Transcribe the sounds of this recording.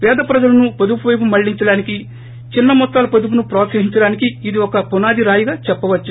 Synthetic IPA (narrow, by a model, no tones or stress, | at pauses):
pɛːd̪ɐpɾɐd͡ʒɐlɐnupɐd̪upuʋɐjp̬umɐɭːiɲt͡ʃɐɽaːniki | t͡ʃinːɐmɔt̪ːaːlɐpɐd̪up̬unupɾɔːt̪sɐɦiɲt͡ʃɐɽaːnikiːd̪iɔkɐpunaːd̪iɾaːjuɡaːt͡ʃɛpːɐʋɐt͡ʃːu